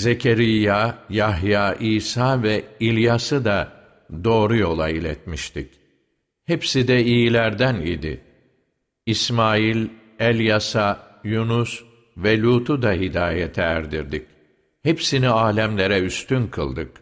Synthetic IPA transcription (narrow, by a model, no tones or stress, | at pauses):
ze̞cʰeɾijːajaɦjaːʔiːsaːvɛilʲjasɯd̪a | d̪o̞ːɾujo̞lˠailʲɛt̪miʃt̪ʰic | hepsid̪ɛijilʲæɾd̪ænḭd̪ḭ | ismaːilʲ | ɛlʲjasa | junus | vɛlʲuːt̪ʰud̪aɦid̪aːjet̪ʰɛːɾd̪ḭɾd̪ic̚ | hepsiniaːlʲæmlʲeɾɛyst̪ʰynkʰɯ̰lˠd̪ɯk